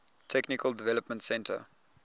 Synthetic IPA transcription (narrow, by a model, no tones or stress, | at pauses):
tʰɛknikʰəlˠdivɛləpmə̃ntsɛ̃ntʰə̰